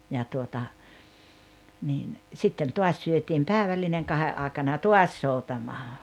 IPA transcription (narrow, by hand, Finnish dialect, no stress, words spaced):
jɑ tuotɑ niːn sitːen tuɑs syøtim pæːĕʋælːineŋ kɑheʔ ʔɑˑekɑnɑ jɑ tuɑs soutɑmɑː